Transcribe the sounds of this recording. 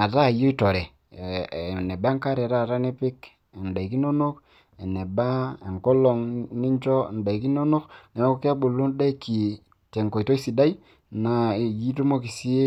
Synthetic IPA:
a˨ta˦˨jo˦i˦to˨ɾɛ˨ | ne˨ba˦ŋka˦ɾe˨ɾa˦˨ɾa˦ne˦pɪ˦k | e˨nda˨i˨ki˦no˦no˦k | e˨ne˨ba˦e˨ŋko˦lɔ˨ŋni˦nt͡ʃɔ˦˨n˨da˨i˨ki˦no˦no˦kne˨mo˦ko˦ki˦a˦bu˨lu˦nda˦ki˨ | te˨ŋko˨i˨to˦i˦si˨da˦i˦ | na˨ji˦tu˦mo˦ki˨si˦e˦

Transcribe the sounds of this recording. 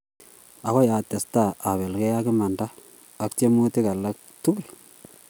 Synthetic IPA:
a˨ko˦ja˨tːe˨sta˦a˨βe˨lke˦ja˦kɪ˦ma˨ndaː˦˨ | kte˦mu˦ti˦ka˨lːa˦k̚tu˦kl

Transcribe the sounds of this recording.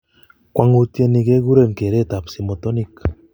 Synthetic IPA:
kwa˨ŋu˦˧tje˦˧ni˨ke˦ɡu˦ɾe˦˨mke˨ɾe˦˨ta˨psi˨mo˨tɔ˦ni˦k

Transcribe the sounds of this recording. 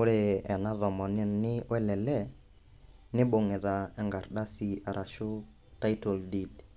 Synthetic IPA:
ʊ˦ɾe˦˨ɛ˨na˦ðɔ˨mɔ˨nɪ˦nnɪ˦wɛ˦lɛ˨lɛ˦˨ | nɪ˦bo˨ŋɪ˨ða˨ɛ˨ŋɡa˨ɾda˦si˦a˨ɾʔa˨ʃʊ˦ | ta˦jto˨ldi˨d

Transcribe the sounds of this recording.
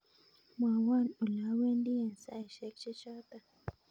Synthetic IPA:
mwa˨wa˦˨nu˨la˨˦we˦ndi˦je˨nsa˦˨i˨ʃɛ˨˦kt͡ʃe˦t͡ʃa˦t̪a˨

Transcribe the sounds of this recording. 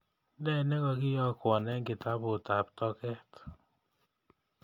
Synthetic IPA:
ndɛ˦˨nɛ˦ŋɔ˧ki˦jɔ˦kwɔ˨nɛ˦ŋɡɪ˨ta˦bo˨ta˨p̚tɔ˧kɛ˦t

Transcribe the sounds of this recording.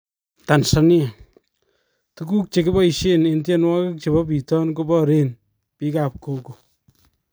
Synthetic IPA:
ta˨nsɔ˨nɪ˦ɛ˨ | tu˦ku˦k̚t͡ʃe˨kɪ˦bɔ˦i˨ʃe˦nentjenwa˦kɪ˦k̚t͡ʃe˨bɔ˦pi˨tɔ˦nko˦bɔ˦ɾe˦n | pi˦ka˨p̚ko˦ko˨

